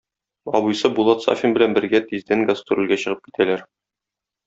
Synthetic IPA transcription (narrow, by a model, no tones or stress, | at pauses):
ɒ̰bŭjsɤbulˠɑt̪sa̰fʲimbɘ̆lænbɘ̆ɾɡæt̪izd̪æŋɡast̪ŭɾɘ̆lɡæɕɤ̆ʁɤp̚ki̥t̪ʰælæɾ